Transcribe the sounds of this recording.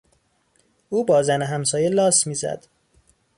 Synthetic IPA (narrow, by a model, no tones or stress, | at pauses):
ʔuːbɒːzæneɦæmsɒːjelɒːsmiːzæ̰d̪̥